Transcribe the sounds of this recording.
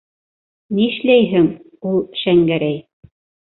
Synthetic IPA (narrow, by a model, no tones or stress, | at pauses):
niɘ̆ʃlæjɦɘŋ | ulˠʃæŋɡæɾæj